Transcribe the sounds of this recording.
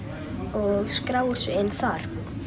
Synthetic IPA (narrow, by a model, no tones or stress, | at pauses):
ɔɣskɾaːwʏɾ̥sʏɪnːθaɾ̥